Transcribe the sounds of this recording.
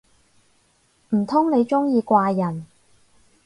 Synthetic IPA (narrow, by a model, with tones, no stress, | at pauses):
m̩˨˩t̪ʰʊ˥ŋne˨˧jt͡ʃʊ˥ŋjiː˧kʷaː˧jɐ˨˩n